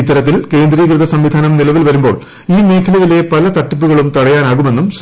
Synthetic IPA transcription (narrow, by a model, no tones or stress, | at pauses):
it̪ːɐɾɐt̪ːilke̞ːnd̪riːkrɨðɐsɐmʋid̪ʱaːnɐmnilɐʋilʋɐɾumbo̞̰ːɭ | iːme̞ːkʰɐlɐjile̞pɐlɐt̪ɐʈːipːuɣɐɭumt̪ɐɽɐjaːnaːɣume̞nːumɕ